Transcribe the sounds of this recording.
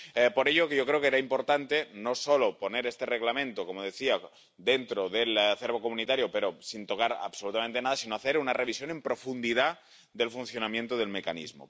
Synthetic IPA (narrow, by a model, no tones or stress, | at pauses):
poɾe̞ʎokeʝokɾeokeeɾaimpo̞ɾt̪ant̪eno̞solopo̞neɾest̪ereɣlamẽnt̪okomoð̞e̞θia | d̪e̞nt̪ɾoðelaθeɾβo̞komũnit̪aɾjope̞ɾosint̪o̞kaɾa̰βsolut̪amẽnt̪e̞nað̞asinoaθe̞ɾunarʔe̞β̞isjone̞mpɾo̞fund̪iða | ðe̞lfunθjo̞namjent̪oð̞e̞lme̞kanḭzmo̰